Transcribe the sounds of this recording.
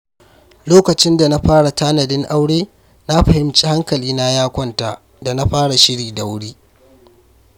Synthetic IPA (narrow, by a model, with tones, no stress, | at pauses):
loː˦kɐ˨t͡ʃɪ˦nda˨na˦ɸaː˦ɽa˨taː˦nɐ˨dɪ˦ŋʔa˦wɽeː˦ | na˦ɸɐ˨hɪ˦mt͡ʃiː˦ha˦ŋkɐ˨liː˦na˦jaː˦kʷɔ˦nta˨ | da˨na˦ɸaː˦ɽa˨ʃɪ˦ɽiː˨da˨wʊ˦ɽiː˦